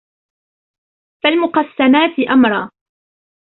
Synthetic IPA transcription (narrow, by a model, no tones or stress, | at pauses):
falmʊqɑsːanaːt̪ɪʔamɾˤɑː